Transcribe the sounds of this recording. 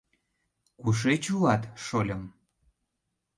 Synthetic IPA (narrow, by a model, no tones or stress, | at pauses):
kuʃ̬et͡ɕulɑt̪ʃolʲəm